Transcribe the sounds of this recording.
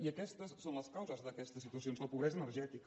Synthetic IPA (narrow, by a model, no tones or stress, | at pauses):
iəkɛst̪əsːonləskawzəzðəkɛst̪əsit̪uəsionzləpuβɾɛzənəɾʒɛt̪ik